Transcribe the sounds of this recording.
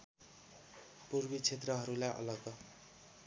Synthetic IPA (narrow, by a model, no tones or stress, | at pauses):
purbit͡sʰet̪rʌɦʌɾulaʔʌ̰lʌɡʌ